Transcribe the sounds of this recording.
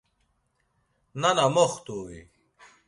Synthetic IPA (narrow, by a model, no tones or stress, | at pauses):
nɐnɐmoxt̪oːḭ